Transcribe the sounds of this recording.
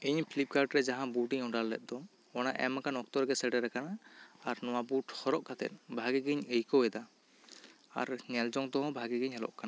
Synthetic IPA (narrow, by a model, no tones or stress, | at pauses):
iɲpʰlip̚kaɾɖɾɛd͡ʒaɦãbuʈiɲɔɖalːɛ̰t̪̚d̪ɔ | ɔnaʔɛ̰makanɔk̚t̪ɔɾɡɛsɛɖɛɾɛkanaaɾnɔwabuʈhɔɾɔʔkat̪ɛ̰t̪̚bʱaɡiɡiɲəjkɔwɛd̪a | a̰ɾŋɛld͡ʒɔŋt̪ɔɦɔ̃bʱaɡiɡiɲɦɛlɔ̰ʔkana